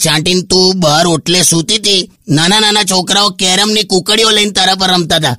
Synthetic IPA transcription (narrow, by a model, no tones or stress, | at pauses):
t͡ʃãʈint̪ũbʱaɾoʈlesut̪it̪i | nanananat͡ʃʰɔkɾaokeɾəmnikukəɽijoləint̪aɾap̬əɾəmt̪at̪a